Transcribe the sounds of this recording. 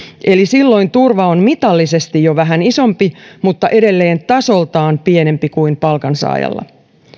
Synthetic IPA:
ʔe̞lisilːo̞int̪urʋɑonmit̪ɑlːise̞st̪ijoʋæɦæniso̞mpimut̪ːɑʔe̞dɾe̞lːe̞ːnt̪ɑso̞lt̪ɑːnpiene̞mpikuimpɑlkɑnsɑ̰ːjɑ̰lːɑ̰

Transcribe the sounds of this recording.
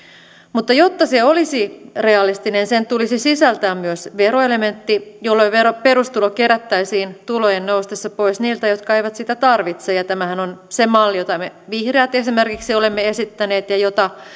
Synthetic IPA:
mut̪ːɑjot̪ːɑseolisireɑlist̪inensent̪ulisisisælt̪æːmmyøsʋeroelement̪ːijolːoiʋeroperust̪ulokeɾæt̪ːæisiːnt̪ulojennoust̪esːɑpoisniːlt̪æjot̪kɑejʋæt̪sit̪æt̪ɑrʋit̪sejɑt̪æmæhænonsemɑlːijot̪ɑmeʋihreɑt̪esimerkiksiolemːeesit̪ːæneːt̪jɑjot̪ɑ

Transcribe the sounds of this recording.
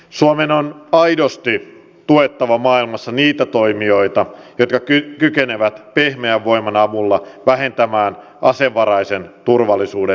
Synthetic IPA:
suomenonɑjdo̞st̪i | t̪ue̞t̪ːɑʋɑmɑːilmɑsːɑniːt̪æt̪o̞imio̞jt̪ɑjot̪kɑykykene̞ʋæt̪pehmeæʋːo̞jmɑnɑmulːɑʋæɦe̞nt̪æmæːn | ʔɑseʋːɑɾɑjse̞nt̪urʋɑlːisuːde

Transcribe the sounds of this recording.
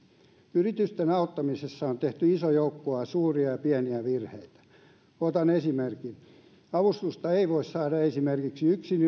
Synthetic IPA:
yrit̪yst̪enɑot̪ːɑmisesːɑont̪eht̪yisojoukːoɑsuːriɑjɑpiæniæʋirheit̪æ̥ | ot̪ɑnesimerkin | ɑʋust̪ust̪ɑeiʋoissɑːdɑesimerkiksiyksin

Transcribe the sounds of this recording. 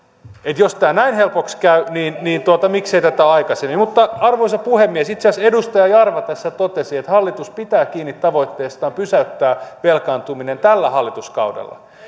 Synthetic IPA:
et̪jost̪æːnæinhelpokskæyniːnniːnt̪uot̪ɑmikseit̪æt̪æɑikɑsemːimut̪ːɑɑrʋoisɑpuhemːiesit̪seɑsedust̪ɑjɑjɑrʋɑt̪æsːæt̪ot̪esiet̪hɑlːit̪uspit̪æːkiːnːit̪tɑʋo̞it̪ːeːst̪ɑːmpysæyt̪ːæːʋelkɑːnt̪uminent̪ælːæhɑlːit̪uskɑ̰wdḛlːɑ̰

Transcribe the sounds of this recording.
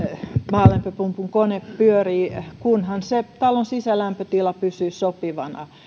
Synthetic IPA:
mɑːlempøpumpuŋkoneppyøriːkunhɑnset̪ɑlonsisælæmpøt̪ilɑpysyːsopiʋɑnɑ̰

